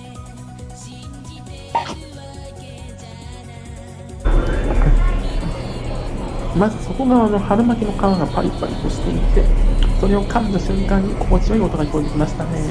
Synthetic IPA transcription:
mazɨso̞ko̞ɡaano̞haɾɯ̟makʲino̞kãŋɡapa̰ɾʲipa̰ɾʲḭt̪oɕi̥t̪ei̥t̪e̞so̞ɾe̞o̞kʰãnd̪aɕɨ̃ŋkãɲ̟ːiko̞mo̞t͡ɕiβaiɡo̞t̪oɡaikoid̪ekʲimaɕi̥t̪ane̞

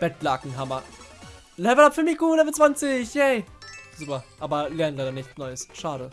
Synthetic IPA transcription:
b̥ɛtlaːkŋ̩ɦamɐ | lɛvl̩apfyɐmɪçɡ̥uːlɛvl̩t͡sv̥ant͡sɪçhɛɪz̥uːpɐʔaːbɐlɛːɐnənlaɪɾɐnɪçt͡snɔʏəsʃaːɾə

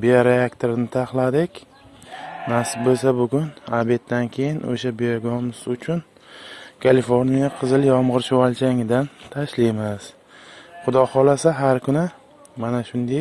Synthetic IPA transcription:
bijaɾeakt̪ʰoɾɪnɪt̪ʰaχlˠad̪ɪkʲ | nasɪbolsabʊɡʲʊnabe̞t̪̚dːankʲʰe̞jɪno̰ʃabijoɡɒmʊsʊt͡ʃʰʊn | kʰalifoɾnijaqʰɨzɪljɒmʁɨɾʃʊwalt͡ʃʰaŋɪd̪ant̪ʰaʃlijmɪs | χʊd̪ɒhɒlasaɦaɾkʰʊnɪ | manaʃʊnd̪ej

